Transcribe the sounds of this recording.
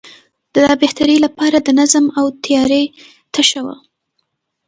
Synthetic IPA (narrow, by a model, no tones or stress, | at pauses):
d̪̥əd̪ɑbeht̪aɾilapɑɾad̪ənazamawt̪ʰjɑɾe | t̪ʰaʃawa̰